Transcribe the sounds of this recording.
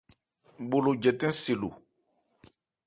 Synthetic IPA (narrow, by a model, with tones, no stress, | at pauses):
bo˨lo˨d͡ʒɛ˨tɛ̃˦se˨lo̰˨